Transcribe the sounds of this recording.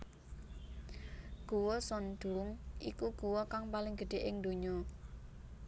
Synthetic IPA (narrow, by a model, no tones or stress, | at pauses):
ɡ̥uwɔsɔnd̪̥uʊmʔikuɡ̥uwɔkaŋpalɪŋɡ̥əɖ̪̥e̤ʔɪŋd̪o̤ɲɔ